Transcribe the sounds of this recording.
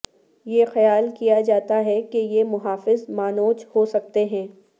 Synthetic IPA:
jeːxɐjaːlkijad͡ʒaːt̪aɦɛkejemʊɦaːfɪzmaːnoːt͡ʃhosɐk̚t̪eɦɛ̃ː

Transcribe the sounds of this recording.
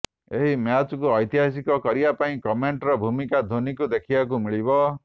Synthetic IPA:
eɦimjat͡ʃɔkuɔjt̪iɦasikɔkɔɾibapaĩkɔmeɳʈɾɔbʱumikad̪ʱonikud̪ekʰibak̬umiɭibɔ

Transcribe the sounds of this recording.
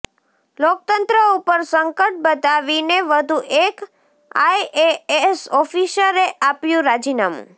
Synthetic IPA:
lok̚t̪ənt̪ɾəupəɾsəŋkəʈ̚bəd̪aʋineʋəd̪ʱuʔek | a̰ieesɔfʰisəɾeʔapjũɾad͡ʒinamṵ̃

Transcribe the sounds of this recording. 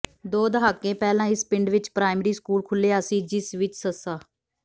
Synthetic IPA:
d̪oːd̪əɦaːkːẽːpɛːlãːɪspɪɳɖʋɪt͡ʃpɾaːɪmɾiːskuːlkʰʊlːeːaəsĩːd͡ʒɪsʋɪt͡ʃsəsaː

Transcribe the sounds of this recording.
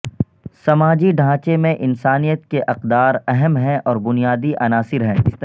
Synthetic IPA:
sɐmaːd͡ʒiɖʱãːt͡ʃemẽʔɪnsaːnijət̪keʔɐqd̪aːɾɛɦɛmɦɛ̃ʔɔːɾbʊnijaːd̪iʔɐnaːsɪɾɦɛ̃ːɪst̪ɐ

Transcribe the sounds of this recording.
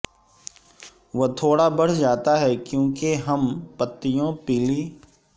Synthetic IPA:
ʋot̪ʰoːɽabɐɽ̤d͡ʒaːt̪aɦɛkjõːkeɦɐmpət̪ːijõpiːliː

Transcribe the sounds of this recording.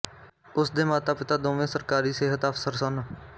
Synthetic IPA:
ʊsd̪eːmaːt̪aːpɪt̪aːd̪õːʋẽːsəɾkaːɾiːseːɦət̪əfsəɾsʊn

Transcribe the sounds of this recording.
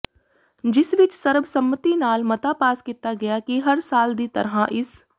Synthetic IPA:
d͡ʒɪsʋɪt͡ʃsɐɾbsɐmːət̪inaːlmɐt̪apaːskiːt̪aɡɐjakiɦɐɾsaːld̪it̪ɐ̰ɾɦaʔɪs

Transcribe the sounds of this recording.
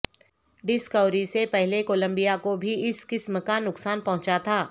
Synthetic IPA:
ɖɪskəʊɾisepɛɦlekoːlə̃mbijakobʱiɪskɪsməkanʊksaːnpɐɦʊ̃t͡ʃat̪ʰaː

